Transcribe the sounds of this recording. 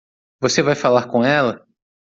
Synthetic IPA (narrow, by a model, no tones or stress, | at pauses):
vosevajfalaɾkõɛlɐ